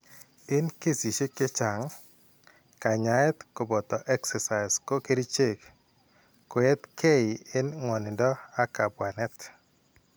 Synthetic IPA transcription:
ɪ˦nke˦si˨ʃe˦kɪ˦t͡ʃa˨ŋ | ka˨ɲa˨ɛ˦t̪ko˨bɔ˨t̪ɔ˨ʔɛ˦ksɛ˨sa˨ɪ˨sko˦ke˦ɾi˦t͡ʃe˦˨k | kːʊ˨e˦t̪kʰe˦ɪ˨ɪ˦nŋwɔ˨nɪ˨ndɔ˦a˦ka˨bwa˨nɛ˦t̪

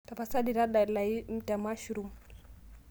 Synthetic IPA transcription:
ta˨pa˨sa˦di˨ɾa˦ɗa˨la˨i˦m̩˨ta˨ma˦ʃuɾu˨m

